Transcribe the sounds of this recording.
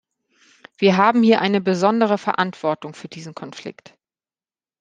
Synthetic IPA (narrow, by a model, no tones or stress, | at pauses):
v̥iːɐɦaːbm̩hiːɐʔaɪnəbəzɔndəʁəfɛɐʔantv̥ɔɐtʊŋfyːɐdiːzn̩kʰɔnflɪ̰kt